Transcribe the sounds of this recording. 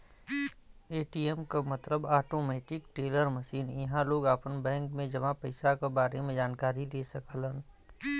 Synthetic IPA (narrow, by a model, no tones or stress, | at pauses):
eːʈiemkamɐt̪ləbaːʈoːmɛːʈɪkʈeːləɾmɐʃiːnjɐɦãloːɡaːpənbɛ̃ːŋkmẽd͡ʒɐmãpəɪsakabaːɾemẽd͡ʒaːnkaːɾileːsɐkəlɦə̃n